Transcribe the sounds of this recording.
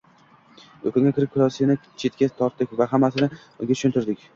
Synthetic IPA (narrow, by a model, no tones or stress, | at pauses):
ɵkʰɪŋɡʲakʲɪɾɪp̚kʰʲʊlˠɒsianɪt͡ʃʰe̞t̪̚kʲat̪ʰɒɾt̪̚d̪ɪk̚ʲvaɦamːasɪnɪ | ʊ̰ɡʲat͡ʃ̪ʰʊ̥ʃʊnt̪ɪɾd̪ɪkʲ